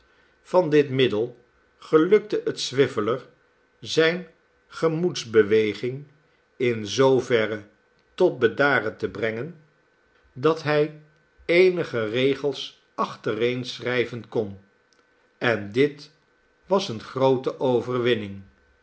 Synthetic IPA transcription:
v̥ɑndɪtmɪdəlˠ | χəlɵk̚təʔətsʋɪfələr | zɛjn | χəmutzbəʋejχɪŋ | ɪnzowvɛrə | tɔt̚bədaːrətəbrɛŋən | dɑtɦɛj | ejnəχərejχəlˠs | ɑχtərejnsrɛjvənkɔn | ɛndɪt | ʋɑsənχrowtəʔowvərʋɪnɪŋ

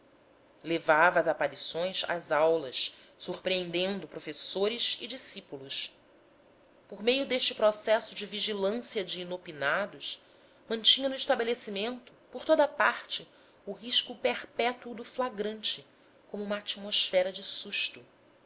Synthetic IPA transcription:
levavɐːzapaɾisõj̃sɐ̰zawlɐʃ | suχpɾiẽnd̪ẽnd̪ʊpɾofesoɾɪzɪd͡ʒisipulʊʃ | poɾmejʊd̪eʃt͡ʃɪpɾɔsɛsʊd͡ʒɪviʒilɐ̃siɐd͡ʒɪːnopinad̪ʊʃ | mɐ̃nt͡ʃĩɲɐnʊiʃt̪abelesimẽnt̪ʊ̥poɾt̪od̪ɐpaɾt͡ʃɪ | ʊɦiʃkʊpeɾpɛt̪uʊd̪ʊflaɡɾɐ̃nt͡ʃɪ | kõmʊũmɐat͡ʃimoʃfɛɾɐd͡ʒɪsuʃt̪ʊ

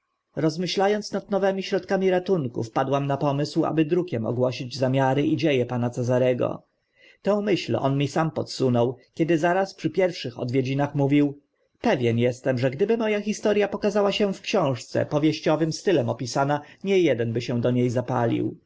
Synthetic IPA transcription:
ɾɔzmɘɕlajɔnsnad̪nɔvɛmʲiɕɾɔt̪kamʲiɾat̪unkṵfpad̪wamnapɔmɘswa̰bɘd̪ɾukʲɛmɔ̰ɡwɔɕid͡ʑzamʲjaɾɘʔid͡ʑejɛpanat̪sɛzaɾɛɡɔ̰ | t̪ɛ̃w̃mɘɕlɔ̰nmʲisampɔt̪sunɔwkʲɛd̪ɘzaɾaspʂɘpʲjɛɾfʂɘxɔ̰d̪vjed͡ʑinaxmuvʲiw | pɛvʲjɛnjɛst̪ɛmʐɛɡd̪ɘbɘmɔjaxʲist̪ɔɾʲjapɔkazawaɕɛfkɕɔ̃w̃ʂt̪sɛ̰pɔvʲjeɕt͡ɕɔvɘmst̪ɘlɛmɔpʲisanaɲɛjɛd̪ɛnbɘɕɛ̃d̪ɔɲejzapa̰lʲḭw

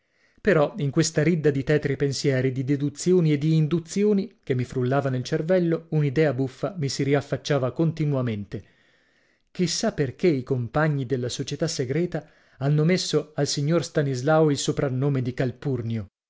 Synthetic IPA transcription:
peɾɔiŋkwest̪aɾid̪ːad̪it̪ɛːt̪ɾipensjɛːɾid̪id̪ed̪ut̪sːjoːnied̪ːiːnd̪ut̪sːjoːnik̟emːifɾulːaːvanelt͡ʃervɛlːounid̪ɛːabufːamisiɾiafːat͡ʃːaːvakont̪inuament̪e | kisːapːerkeikompaɲːid̪elːasot͡ʃet̪asːeɡɾɛːt̪a | anːomesːoalsiɲːorst̪anizlawoilsopɾanːoːmed̪ikalpurnjo

